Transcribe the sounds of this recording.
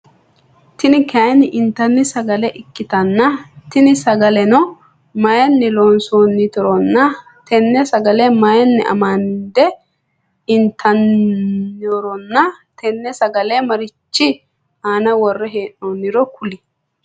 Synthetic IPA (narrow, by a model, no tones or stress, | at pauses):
t̪ɪnɪkʰɐjnɪʔɪnt̪ːɐnːɪsɐɡɐlɛʔɪkːɪt̪ɐnːɐt̪ɪnɪsɐɡɐlɛnɔ | mɐjɛnːɪloːnsoːnːɪt̪ɔɾɔnːɐ | t̪ʰɛnːɛsɐɡɐlɛmɐjɛnːɛʔɐ̰mand̪ɛ | ɪnt̪ʰːɐnː | ɔɾɔnːɐ | t̪ʰɛnːɛsɐɡɐlɛmɐɾɪt͡ʃːɪ | aːnɐwɔrːɛɦeːnoːnːɪɾɔkʰʊlɪ